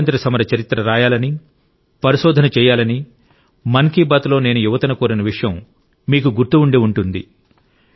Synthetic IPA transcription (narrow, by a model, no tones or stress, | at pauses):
ɐnt̪ɾɐsɐmɐɾɐt͡ʃɐɾit̪ɾɐɾaːjaːlɐni | pɐɾiʃɔːd̪ʱɐnɐt͡ʃɛːjaːlɐni | mɐŋkiːbaːt̪lo̞ːne̞ːnujuʋɐt̪ɐnɐkuːɾɐnɐʋiʂɐjɐmː | iːkuɡuɾt̪uuɳɖiuɳʈund̪ḭ